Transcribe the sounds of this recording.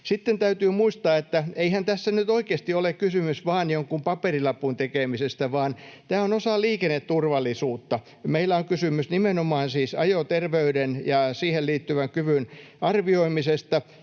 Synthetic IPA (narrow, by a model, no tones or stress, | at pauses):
sit̪ːent̪æyt̪yːmuist̪ɑːet̪ːæeihænt̪æsːænyt̪oikeːst̪iolekkysymysʋɑːnjoŋkumpɑperilɑpːunt̪ekeˑmisest̪æʋɑːnt̪æːonosɑliːkenːet̪t̪urʋɑlːˑisuːt̪ːɑ | meilːæoŋkysymysnimenomɑːnsiːsɑ̰jot̪erʋeydenjɑsiːhelliːt̪ːyʋæŋkyʋynɑrʋioimisest̪ɑ